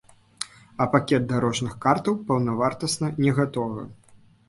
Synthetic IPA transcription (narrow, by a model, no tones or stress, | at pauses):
ɐpakʲɛdt̪̚d̪aɾɔʐnɨxkart̪ɐwpɐwnɐvart̪ɐsnɐnʲɛɣat̪ɔvɐ̰